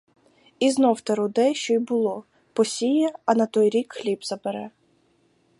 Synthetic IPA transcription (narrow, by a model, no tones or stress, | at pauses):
iznɔwt̪ɐɾʊd̪ɛʃt͡ʃɔjbʊlˠɔ | pɔsʲijɐɐnɐt̪ɔjɾʲikxlʲibzɐbeɾɛ